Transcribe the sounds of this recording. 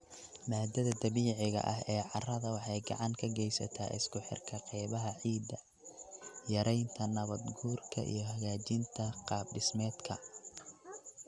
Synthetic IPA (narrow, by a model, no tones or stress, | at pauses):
maːd̪ɐðɐd̪ɐβiːʕɪɣɐ̰ʔɐɦɛːʕɑrɐðɐwɑħɑjɡɑʕɑŋkʰɐɡɛjsɐ̰t̪ʰa̰ːʔɪ̰skʰʊħɪ̰rkʰɐqɛjβɐɦɐʕiːd̪ɐ | jɐɾɛjnt̪ʰɐnɐβɐd̪ɡuːrkʰɐ̰ʔḭjɞɦɐɣaːt͡ʃɪnt̪ʰɐqɑːb̚ɖɪsmɛːd̪kʰɐ